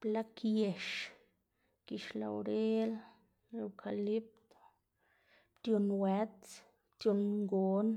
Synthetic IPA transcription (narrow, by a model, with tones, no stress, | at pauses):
pla˦kje˨ʃ | ki˨ʃla̰˨oɾe˦l | lo˨kʰa˨li˦p̚t̪o̥ | pt̪jo˧nwe˦t͡s | pt̪jo˧nŋɡo˦n